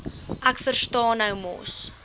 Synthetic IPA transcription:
ʔækfərstɑːnəwmɔ̰s

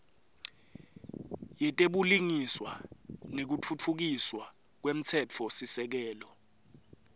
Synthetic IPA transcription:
jɛtʼeɓuliŋiswanek̬ut͡fʰut͡fʰuk̬iswa | k̬wem̩t͡sʰɛt͡fʰɔsisɛk̬ɛːlɔ

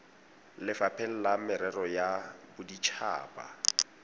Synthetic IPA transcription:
lɪfapʰɛl̩lamɪɾɛrɔjabʊdit͡ʃʰa̰ːpʼa̰

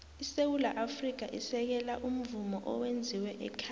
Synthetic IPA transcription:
isewulaʔafrik̬aʔisɛk̬ɛlaʔum̩vumɔʔɔwend͡zʱiwɛʔɛkʰa

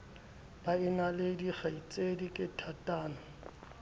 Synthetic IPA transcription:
b̥aɪnalediχait͡sʼedikʼɪtʰatʼaːnɔ

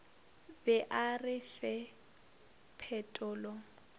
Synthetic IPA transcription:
bɛʔarɪfɛ | pʰɛtʼʊːlɔ

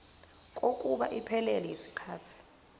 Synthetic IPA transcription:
k̬ʼokʼuɓa̰ʔipʰɛlɛlɛjisi̥kʰaːtʰi̥

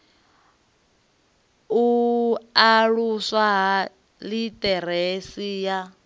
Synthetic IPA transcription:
uaɺuswaɦa | litʼɛɾesija

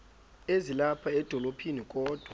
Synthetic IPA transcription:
ezilapʰaɛd̥ʱɔlopʰinikʼɔːd̥ʱwa

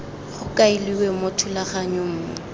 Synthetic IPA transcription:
χʊkʼailiwɛmotʰʊlaχaɲʊm̩ːmʊ̰

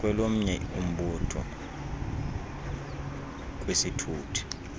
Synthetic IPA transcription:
k̬ʼwɛlom̩ɲɛum̩ɓɔtʰɔ̰ | k̬ʼwesitʰuːtʰi̥

